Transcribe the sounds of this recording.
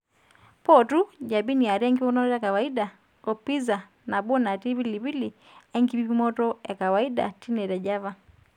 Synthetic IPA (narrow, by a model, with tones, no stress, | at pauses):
pɔ˦tu˦ʄa˨bi˦ni˨a˨ɾi˦ɛ˦ŋɡimɔ˦nɔ˦tɔ˦ja˨ka˨wa˨i˦ɗa˨ | ɔ˨pi˦za˨ | na˨ɓɔ˦na˨ti˦βi˦li˨βi˦li˨ | ɛ˦ŋɡi˦bi˦pi˦mɔ˦tɔja˨ka˨wa˨i˦ɗa̰˨ti˦nɛ˨ta˨ʄa˦va˦